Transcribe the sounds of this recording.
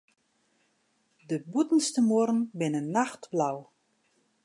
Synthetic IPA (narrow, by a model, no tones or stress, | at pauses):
dəbutən̩stəmoɾn̩bɪnənːaxtblaw